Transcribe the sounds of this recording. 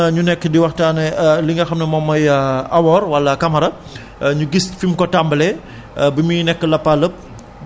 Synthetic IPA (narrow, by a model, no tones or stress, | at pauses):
ɲunɛkːədiwɐxtanɐliŋɡɐxɐmnɐmɔmːɔjɐwɔrwɐlːɐkamɐɾɐ | ɲuɡisfimkɔtambəlɛ | bəminɛkːəlɐpːaləp̚